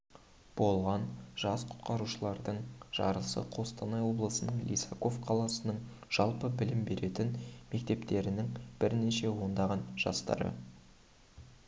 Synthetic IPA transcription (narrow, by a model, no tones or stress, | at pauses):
b̥o̞lˠʁɑnʒ̥ɑsqʰʊ̥t̪̚qɑɾuʃəlˠɑɾd̪əɴʒ̥ɑ̰ɾəsə̰qʰo̞st̪ɑnɑjwo̞blˠəsənəɴlʲḭsako̞vqʰɑlˠɑsənəɴ | ʒ̥ɑlˠpəbɪlɪmbe̞ɾe̞t̪ɪnme̞k̚t̪e̞pt̪e̞ɾɪnɪŋb̥ɪɾneʃe̞wo̞nd̪ɑʁɑnʒ̥ɑ̰st̪ɑ̰ɾə̰